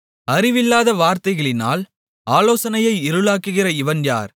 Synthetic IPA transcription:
ɐɾɪʋɪlːaːðɐʋaːɾt̪ɐɪɣɐɭɪna̰ːl | aːloːsɐnɐjɐɪɪɾɯlaːkːɯɣɪrɐɪʋɐnja̰ːɾ

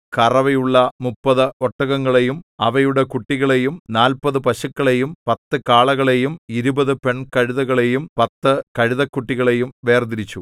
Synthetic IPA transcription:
kɐrɐʋɐjuɭːɐmupːɐðɨoʈːɐɣɐŋːɐɭe̞jumɐʋɐjuɽekuʈːiɣɐɭe̞jumnaːlpɐðɨpɐɕɐkːɐɭe̞jumpɐt̪ːɨkaːɭɐɣɐɭejumiɾubɐðɨpe̞ɳkɐɻiðɐɣɐɭe̞jumpɐt̪ːɨkɐɻiðɐkːuʈːiɣɐɭe̞jumʋe̞ːrd̪iɾit͡ɕːu

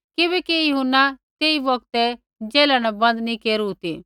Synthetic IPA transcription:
kɪbɛkijʊɦʊnːat̪eːibɔɡ̚t̪ɛ | d͡ʒeːlanɐbɐ̃nd̪nĩkeːɾuɦut̪i

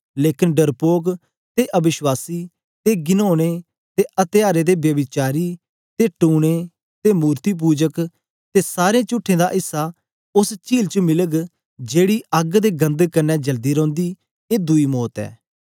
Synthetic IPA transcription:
leːkɪnɖəɾpoːɡ | t̪eːʔəbɪʃwaːsiː | t̪eːɡɪnoːɽ̃eː | t̪eːʔət̪ɪjaːɾeːd̪eːbjəbɪt͡ʃaːɾiː | t̪eːʈuːɽ̃eː | t̪eːmuːɾt̪iːp̬uːd͡ʒək | t̪eːsaːɾẽːt͡ʃʊʈʰːẽːd̪aːɦɪsːaː | ʊst͡ʃiːlt͡ʃəmɪləɡ | d͡ʒeːɽiːʔəɡd̪eːɡə̃nd̪kənːɛːd͡ʒəld̪iːɾɔ̃ːnd̪iː | eːd̪ʊiːmɔːt̪ɛ̰ː

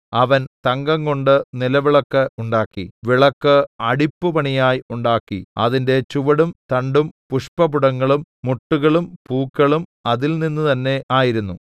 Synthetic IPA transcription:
ɐʋɐnt̪ɐŋɡɐŋko̞ɳɖɨnilɐʋiɭɐkːɨuɳɖaːkːḭʋiɭɐkːɨɐɽipːupɐɳijaːjiuɳɖaːkːḭɐ̰ðinde̞t͡ɕuʋɐɽumt̪ɐɳɖumpuʂpɐbuɽɐŋːɐɭumːuʈːuɣɐɭumpuːkːɐɭumɐðilninːut̪ɐnːe̞ʔaːjiɾunːu

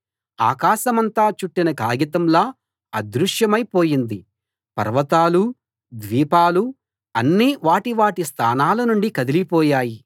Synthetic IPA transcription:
a̰ːkaːʃɐmɐnt̪aːt͡ʃuʈːinɐkaːɡit̪ɐmlaː | ɐd̪ɾuʂjɐmɐjpoːjind̪i | pɐ̰ɾʋɐt̪aːlu | d̪ʋiːpaːlu | ɐnːiʋaːʈiʋaːʈist̪ʰa̰ːnaːlɐnuɳɖikɐd̪ilipɔːjaːji

